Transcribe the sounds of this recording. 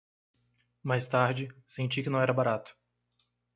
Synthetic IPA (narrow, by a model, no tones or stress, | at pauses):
majst̪aɾd͡ʒɪsẽnt͡ʃikɪnɐ̃w̃ɛɾɐbaɾat̪ʊ̥